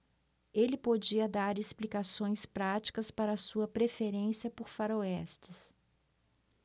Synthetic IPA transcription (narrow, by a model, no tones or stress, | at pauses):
elɪpod͡ʒiɐd̪aɾesplikasõj̃spɾat͡ʃi̥kɐspaɾɐːsuɐpɾefeɾẽsiɐpoɾfaɾoɛst͡ʃɪs